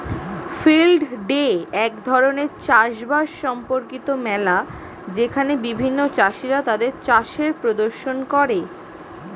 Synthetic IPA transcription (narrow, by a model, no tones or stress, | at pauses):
filɖɖeɛkd̪ʱɔɾoneɾt͡ɕaʃbaʃʃɔmpoɾkit̪omɛla | d͡ʑekʰanebibʱinːot͡ɕaʃiɾat̪ad̪eɾt͡ɕaʃeɾpɾod̪oɾʃonkɔɾe